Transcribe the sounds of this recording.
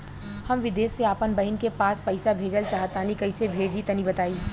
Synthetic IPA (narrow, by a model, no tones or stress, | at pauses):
hɐmʋɪd̪eːseaːpənbɐɦɪnkepaːspɐɪsabʱeːd͡ʒəlt͡ʃaːɦət̪aːnikɐɪsebʱeːd͡ʒit̪ɐnibɐt̪aːiː